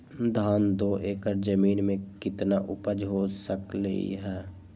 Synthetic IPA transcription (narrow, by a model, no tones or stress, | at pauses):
d̪ʱaːnd̪oːʔeːkəɾd͡ʒəmiːnmẽkɪt̪naʔʊpəd͡ʒɦosəkləḭɦɛː